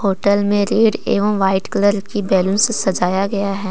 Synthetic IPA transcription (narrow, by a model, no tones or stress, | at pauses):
hoːʈəlmẽɾeːɖḛːʋəmʋaːɪʈkɐləɾkibɛːlunsesɐd͡ʒaːjaɡɐjaɦɛː